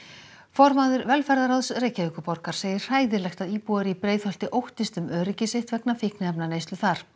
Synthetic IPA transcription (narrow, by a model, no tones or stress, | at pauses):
fɔɾmaðʏɾvɛlfɛɾðaɾaðsrejcaʏːkʏpɔɾkaɾ̥seːjɪr̥r̥aːjðɪlɛxt̪aðiːpuaɾipɾeːjðhɔl̥t̪ɪʔowht̪ɪst̪ʏmœːɾɪcɪseht̪vɛknafɪhknɪɛpnaneːjst̪ʏθaɾ̥